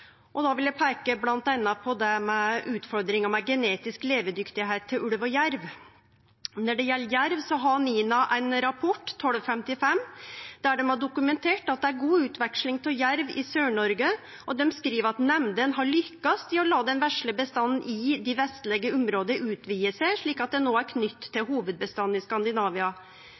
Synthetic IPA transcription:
ʔɔd̪ɑʋɪljæɪpʰækəblɑnt̪ɛnːɑpʰɔd̪ɛmɛʉːt̪fɔɾd̪ɾɪŋɑmɛɡɛneːt̪ɪskleːʋəd̪ʏkt̪ɪɦæɪt̪ʰːɪlʉlʋɔjæɾʋ | nɔɖɛjɛlːəjæɾʋsɔɦɑniːnɑʔæɪnɾɑpʰɔʈːt̪ʰːɔlfɛmt̪ɪfɛmːd̪̥æɖɛmɑɖʊkʉmɛnt̪ʰeːʈɑt̪̚d̪ɛæɾɡuːʉːt̪ʋɛkʂlɪŋt̪ʰɪljæɾʋɪsøːɳɔɾɡə | ʔɔd̪ɛmskɾiːʋəɾɑt̪nɛmd̪ənɦɑɾɭʏkːɑst̪ɪɔlɑːd̪ɛnʋæʂɭəbəst̪ɑn̩ːʔɪd̪ɪʋɛst̪lɛɡəʊmɾoːd̪əɾʉːt̪ʋiːəsæʂɭiːkɑt̪̚d̪ɛnoːæɾkʰnʏt̪ʰːɪlɦuːʋəd̪̚bəst̪ɑn̩ːɪskɑnd̪ɪnɑːʋɪɑ

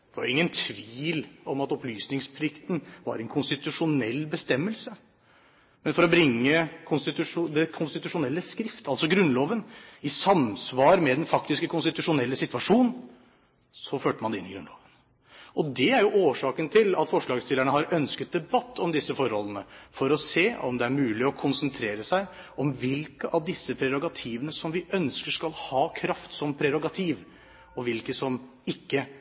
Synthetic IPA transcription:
ɛʋɑ̰ɾɪŋːənt̪ʰʋiːlɔmɑt̪ɔplyːsnɪŋspʰlɪkt̪nʋɑ̰ɾɛnkʰʊnst̪ɪt̪ʉʂʊnɛlːbəst̪ɛmːəlsə | mɛnfɔɾɔbɾɪŋːəkʰʊnst̪ɪt̪ʉʂʊd̪ɛkʰʊnst̪ɪt̪ʉʂʊnɛlːəskɾɪft̪ʰɑlsɔɡɾʉnːloːʋənɪsɑmsʋɑːɾmɛd̪ɛnfɑk̚t̪ɪskəkʰʊnst̪ɪt̪ʉʂʊnɛlːəsɪt̪ʋɑʂuːnn | sɔføːʈəmɑnd̪ɛɪnːɪɡɾʉnloːʋən | ʔɔd̪ɛæɾjʊʔoːʂɑːkənt̪ʰɪlɑ̰t̪fɔʂɭɑːɡst̪ɪləɳəɦɑɾœnskət̪̚d̪ɛbɑt̪ʰːɔmd̪ɪsːəfɔɾhɔlːənəfɔɾɔseːʔɔmd̪ɛæɾmʉːlɪɔkʰʊnsənt̪ʰɾeːɾəsæɪ | ɔmʋɪlkəʔɑʋd̪ɪsːəpʰɾɛɾʊɡɑt̪ʰiːʋənəsɔmʋɪʔœnskəʂkɑlhɑːkʰɾɑft̪sɔmpʰɾɛɾʊɡɑt̪ʰiːʋ | ɔʋɪlkəsɔm | ɪkːə

